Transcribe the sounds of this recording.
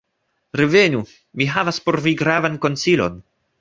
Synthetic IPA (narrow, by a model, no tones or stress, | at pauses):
ɾeve̞nu | miɦavaspo̞ɾviɡɾavanko̞nt͡silo̞̰n